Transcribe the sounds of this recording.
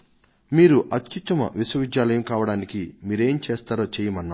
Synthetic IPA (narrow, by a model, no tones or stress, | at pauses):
miːɾuʔɐt̪jit̪ɐmɐ̰ʋiswɐʋid̪jaːlɐjɐmkaːʋɐɽaːnikimiːɾe̞ːmt͡ʃeːst̪aːɾoːt͡ʃɛːjɐmɐnːa